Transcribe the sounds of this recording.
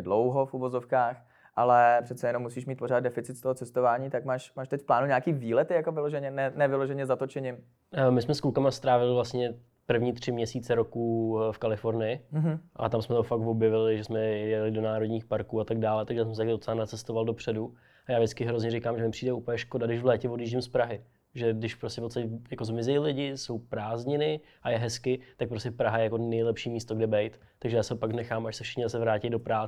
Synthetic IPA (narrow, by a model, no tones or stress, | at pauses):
dlowɦofuvozofkaːx | ʔalɛpr̝̥ɛt̪t͡sɛjɛnomːusiːʃmiːt̪̚poɾaːd̪̚dɛfɪtt͡sɪt̪st̪oɦot͡sɛst̪ovaːɲiːt̪akmaːʃmaːʃt̪ɛcfplaːnuɲaːkiːviːlɛt̪ɪjakovɪloʒɛɲɛnɛnɛvɪloʒɛɲɛzat̪ot͡ʃɛɲɪm | mɪsmɛskulkamast̪ɾaːvɪlɪvlast̪ɲɛ | pr̩vɲiːt̪r̝̥ɪmɲɛsiːt͡sɛɾo̞kuːfkalɪfo̞ɾnɪjɪɦ̩ʔa̰t̪amsmɛt̪ofakvo̞bjɛvɪlɪʒɛsmɛjɛjɛlɪdo̞naːɾo̞dɲiːxpaɾkuːat̪aɡ̚daːlɛt̪aɡʒɛsɛms̬ɛt̪aɡdot͡sɛlanat͡sɛst̪ovaldopr̝̥ɛdu | ajaːʒdɪt͡skɪɦɾozɲɛɾɪkaːmʒɛmɪpr̝iːdɛuːpəljɛʃko̞dadɪʃvlɛːcɛvodiːʒɟɪmspɾaɦɪ | ʒɛdɪʃfpɾostcɛfpot̪st̪acɛjako̞zmɪzɛjlɪɟɪso̞wpɾaːzɲɪnɪ | ʔajɛɦɛskɪt̪ak̚pɾoscɛpɾaɦajɛjako̞nɛjlɛpʃiːmiːst̪oɡdɛbɛjt̪ːaɡʒɛjaːsɛɦopaɡnɛxaːmaʃsɛfʃɪ̥xɲɛzasɛvɾaːcɪdo̞pɾaː